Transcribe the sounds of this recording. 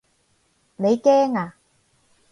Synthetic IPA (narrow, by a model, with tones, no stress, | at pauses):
ne˨˧jkɛː˥ŋaː˨